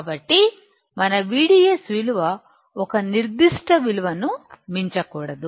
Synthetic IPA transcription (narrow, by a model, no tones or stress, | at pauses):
kaːbɐʈːi | mɐnɐʋiːɽiːesʋiluʋɐ | ɔkɐniɾd̪iʂʈɐʋiluʋɐnumiɲt͡ʃɐkuːɽɐd̪u